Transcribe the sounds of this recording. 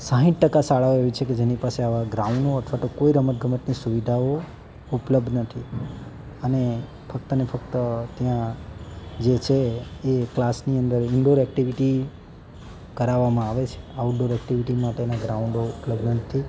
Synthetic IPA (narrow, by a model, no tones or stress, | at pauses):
sãɦĩʈʈəkasaɭaoeʋit͡ʃʰeked͡ʒenipaseaʋaɡɾauɳɖoət̪ʰʋat̪okoiɾəmət̪̚ɡʱəməʈnisuʋid̪ʱao | upləb̚d̪nət̪ʰi | əne | fək̚t̪ənefək̚t̪ət̪jã | d͡ʒet͡ʃʰeeklasniənd̪əɾɪɳɖoɾɛk̚ʈiʋiʈi | kəɾaʋamãaʋet͡ʃʰe̥auɖoɾɛk̚ʈiʋiʈimaʈenaɡɾaũɳɖoʊpləbd̪nənət̪ʰi